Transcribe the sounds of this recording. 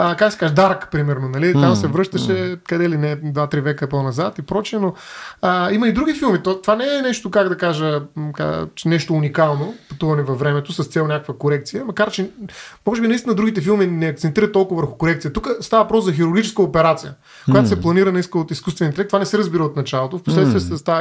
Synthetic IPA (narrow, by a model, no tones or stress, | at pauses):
əkak̚ɡd̪əsɛkaʒɛd̪aɾkpɾimɛɾnonɐlit̪amsɛvɾɤʃt̪əʃɛkɐd̪ɛlinɛd̪vat̪ɾivɛkəponɐzat̪ipɾɔt͡ʃiɛnoəiməid̪ɾuɡʲifilˠmit̪ot̪ovanɛɛnɛʃt̪okaɡd̪ɐkaʒəka̰t͡ʃɛnɛʃt̪oːnikalˠnopɐt̪uvɐnɛvɐfvːɾɛmɛt̪osɐst̪sɛlonʲakəkvəkoɾɛk̚t̪sijəmɐkaɾt͡ʃɛmɔʒɛbinɐist̪inəd̪ɾuɡʲit̪ɛfilˠminɛɐk̚t̪sɛnt̪iɾət̪̚ːɔlˠkʊvɐvəɾxʊ̥koɾɛkt̪sijət̪ukəst̪avɐvɐpɾɔszɐxiɾʊɾɡʲit͡ʃɛ̥skəopɛɾat̪sijə | kojat̪osɛplˠɐniɾənɐist̪kot̪iskust̪vɛniɛlɛkt̪ovanɛsɛɾəzbiɾəot̪nɐt͡ʃalˠot̪ofposlɛt̪visɐst̪a